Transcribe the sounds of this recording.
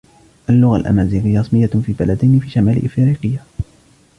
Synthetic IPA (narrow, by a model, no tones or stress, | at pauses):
ʔalːʊɣalʔa̰maːziːlɪjːɾˤɑsˤmɪjːafiːbalad̪ajnɪfiːʃamaːlɪ̰ʔfɪɾiːqɨjːa